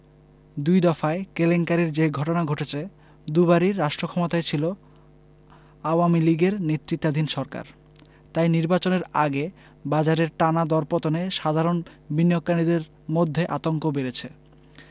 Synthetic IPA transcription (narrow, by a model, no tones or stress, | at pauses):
d̪ujd̪ɔfaekeleŋkaɾeɾd͡ʑeɡʱɔʈonaɡʱoʈet͡ɕʰe | d̪ubaɾiɾːaʃʈɾokʰɔmot̪aet͡ɕʰilo | aowamiliɡeɾnet̪ːɾit̪ːad̪ʱinʃɔɾka̰ɾ | t̪ajniɾbat͡ɕoneɾa̰ɡe | bad͡ʑaɾeɾʈanad̪ɔɾpot̪oneʃad̪ʱaɾon | binijokːanid̪eɾ | mod̪ʱːeʔat̪oŋkobeɾet͡ɕʰe